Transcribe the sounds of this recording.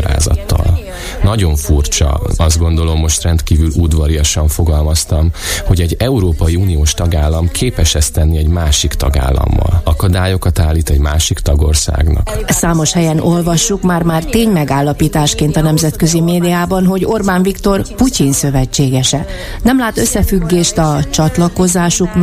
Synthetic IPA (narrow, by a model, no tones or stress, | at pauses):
ɾa̰ːzɒ̰t̪ːɒ̰l | nɒɟo̞ɱfurt͡ʃɒ̰ɒzd̪ɡo̞nd̪o̞lo̞mːo̞ʃt̪rɛnt̪kiːvylud̪ʋɒɾijɒʃɒɱfo̞ɡɒlmɒst̪ɒmho̞ɟɛɟɛuɾoːpɒiuːnijoːʃt̪ɒɡaːlːɒmkʰeːpɛʃɛst̪ɛnːiɛɟmaːʃikt̪ɒɡa̰ːlːɒ̰mːɒ̰lɒkɒd̪aːjo̞kɒt̪aːlːiːt̪ɛɟmaːʃikt̪ɒɡo̞rsa̰ːɡnɒ̰ksaːmo̞ʃhɛjɛno̞lvɒʃːukmaːrmaːrt̪eːɲmɛɡaːlːɒpiːt̪aːʃkeːnt̪ɒnɛmzɛt̪kø̞zimeːd̪ijaːbɒnɦo̞ɟo̞rbaːnvikt̪o̞rpucinsø̞vɛt͡ʃːeːɡɛʃɛ | nɛmlaːt̪øsːɛfyɡːeːʃt̪ɒt͡ʃɒt̪lɒko̞zaːʃuk